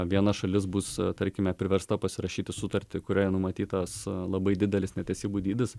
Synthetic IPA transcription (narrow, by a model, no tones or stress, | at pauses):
ʋʲiɛnɐʃɐlʲɪs̬bust̪ɐɾʲkʲɪmʲɛpʲɾʲɪʋʲɛɾst̪ɐpɐsʲɪɾɐʃʲiːt̪ʲɪsʊt̪ɐɾʲt̪ʲɪkʊɾʲoːjɛnʊmɐt̪ʲiːt̪ɐslˠɐbɐɪd̪ʲɪd̪ʲɛlʲɪsnʲɛt̪ʲɛsʲiːbuːd̪ʲiːd̪ʲɪs